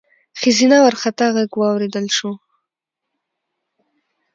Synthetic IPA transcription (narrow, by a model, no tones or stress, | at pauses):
xɪzinawaɾxat̪aɣaɡwɑwɾed̪əlʃo